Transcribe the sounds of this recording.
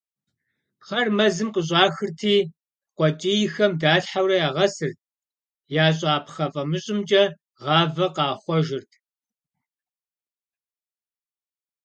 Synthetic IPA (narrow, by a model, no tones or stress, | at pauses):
χɐrmɐzɨmqəɕ̬ʼɑːxɨrtʰiː | qʷɔt͡ʃʼiːjɪxɐmdaːɬħawrɐjaːʁɐsɨrt̚ʰ | jaːɕʼɑːpʰχɐfʼɐmɨɕʼɪmt͡ʃʼɐ | ʁɑːvɐqɑːχʷɔʒɪrtʰ